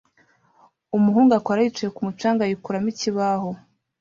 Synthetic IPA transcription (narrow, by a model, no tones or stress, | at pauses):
umuɦuːŋɡakwaɾait͡ʃujekumut͡ʃaːŋɡajikuɾamiciβaho